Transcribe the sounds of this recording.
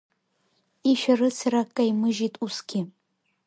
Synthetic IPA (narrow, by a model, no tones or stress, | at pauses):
iʃᶣaɾɨt͡sʰɨɾakʼːajmɨʒitʼusɡʲɪ